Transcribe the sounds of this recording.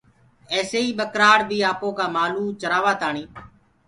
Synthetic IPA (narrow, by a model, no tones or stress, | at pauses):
ɛːseːiːɓəkɾaːɾd̪iːaːpõːkaːmaːluːt͡ʃəɾaːʋaːt̪aːɳĩː